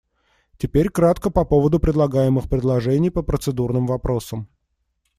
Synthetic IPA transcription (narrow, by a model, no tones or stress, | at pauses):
tʲɪpʲeɾʲkɾat̪kəpɐpovəd̪ʊpɾʲɪd̪lˠɐɡajɪmɨxpɾʲɪd̪lˠɐʐɛnʲɪjpəpɾət̪sɨd̪urnɨmvɐpɾo̞səm